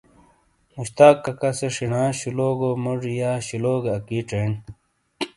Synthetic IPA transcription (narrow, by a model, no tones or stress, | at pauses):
muɕt̪aːkːɐkɐseʂiɳãːɕuloːɡomuʐjaːɕiloːɡɐkiʈ͡ʂen